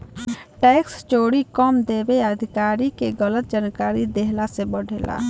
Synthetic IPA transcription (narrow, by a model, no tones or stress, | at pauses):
ʈɛːkst͡ʃoːɽikɔːmd̪eːbeəd̪ʱɪkaːɾikeɡələt̪̚d͡ʒənkaːɾid̪eɦlasebəɽʱeːla̰ː